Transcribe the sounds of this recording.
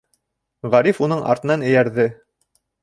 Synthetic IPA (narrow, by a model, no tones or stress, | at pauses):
ʁæɾifunɤɴɑ̰ɾt̪ɤ̆nɑnɘ̆jæɾðɘ